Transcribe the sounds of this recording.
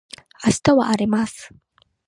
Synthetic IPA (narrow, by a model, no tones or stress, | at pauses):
asi̥t̪oβaʔːɾimas